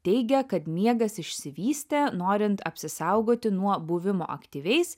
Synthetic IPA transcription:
t̪ʲɛɪɡʲɛkɐt̪mʲiɛɡɐsɪʃʲsʲɪʋʲiːsʲt̪ʲenoːɾʲɪnt̪ɐ̰pʲsʲɪsɑˑʊɡoːt̪ʲɪnuɔbʊʋʲɪmo̰ːʔɐ̰kt̪ʲiːʋʲɛɪs

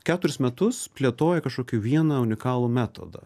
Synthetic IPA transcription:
kʲæːt̪ʊɾʲɪsmʲɛt̪ʊspʲlʲiɛt̪oːjɛkɐʃkoːkʲɪʋʲiɛnɐʊnʲɪkɑːlˠuːmʲæːt̪o̰ːd̪ɐ̰

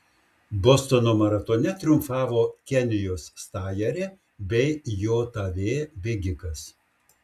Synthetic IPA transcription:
bɔst̪onoːmɐɾɐt̪onʲɛt̪ʲɾʲʊmfɑːʋoːkʲɛnʲɪjoːsːt̪ɑːjɛɾʲeː | bʲɛɪjoːt̪ɐʋʲeːbʲɛɡʲɪkɐs

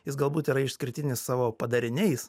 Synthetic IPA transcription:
jɪsɡɐlˠbuːt̪iːɾɐɪʃsʲkʲɪɾʲt̪ʲɪnʲɪssɑːʋoːpɐd̪ɐɾʲɪnʲɛɪs

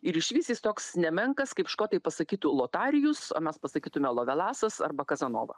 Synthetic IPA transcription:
ɪɾɪʃʲʋʲiːsʲiːst̪oːksnʲɛmʲɛŋkɐskɐɪpʃkoːt̪ɐɪpɐsɐkʲiːt̪ʊlˠoːt̪ɑːɾʲɪjʊso̰ːmʲɛspɐsɐkʲiːt̪ʊmʲɛlˠoːʋʲɛlˠɑːsɐsɐ̰rbɐkɐzɐno̰ːʋɐ̰

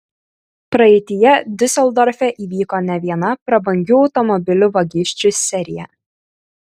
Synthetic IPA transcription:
pɾɐɛɪt̪ʲɪjɛd̪ʲɪsʲɛlˠd̪ɔɾʲfʲɛʔiːʋʲiːkoːnʲɛʋʲiɛnɐpɾɐbɐŋʲɡʲuːɒʊt̪ɔmɔbʲɪlʲʊʋɐɡʲɪʃʲt͡ʃʲʊsʲɛɾʲɪjɛ̰

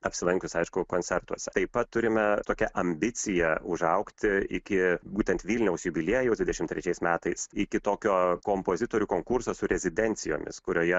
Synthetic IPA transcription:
ɐpʲsʲɪlˠɐŋʲkʲʊsɐɪʃkʊkoːnʲt͡ssʲɛrt̪uɔsʲɛt̪ɐɪpɐt̪tːʊɾʲɪmʲɛt̪oːkʲɛʔɐmʲbʲɪt͡s̪ʲɪjɛʊʒɐʊkt̪ʲɪɪkʲɪbuːt̪ʲɛnt̪ʋʲilʲnʲɛʊsjubʲɪlʲiɛjʊd̪ʲʋʲɪd̪ʲɛʃʲɪmt̪ɾʲɛt͡ʃʲɛɪsmʲæːt̪ɐɪsɪkʲɪt̪oːkʲoːkoːmpoːzʲɪt̪oːɾʲuːkoːŋkʊrsoːsʊɾʲɛzʲɪd̪ʲɛnʲtt͡ssʲɪjo̰ːmʲɪ̰skʊɾʲoːjɛ

